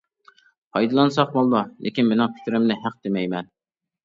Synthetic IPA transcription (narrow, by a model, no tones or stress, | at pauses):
pʰɑjd̪ɨlˠɑnsɑqmɑlˠːɑlʔɪ̰kʲinmɪnɪŋpʰi̥k̪ʲɾɪmnɪɦæq̚d̪emɛjmɛn